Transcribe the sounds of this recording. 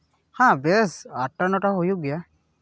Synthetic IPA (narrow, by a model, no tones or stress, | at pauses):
hãbɛsaʈːanɔʈaɦojuɡija